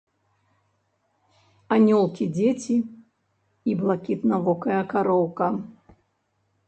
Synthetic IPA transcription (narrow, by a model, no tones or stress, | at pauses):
anʲɔlˠkʲid͡zʲet͡sʲiː | blˠakʲit̪navɔkɐjɐkaɾɔwkɐ